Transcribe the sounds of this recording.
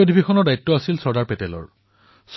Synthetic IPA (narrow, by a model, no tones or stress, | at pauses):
odʱibʱixʰɔnɔɹdajtːɔasilsɔɹdaɹpɛtɛlɔ̰ɹ | s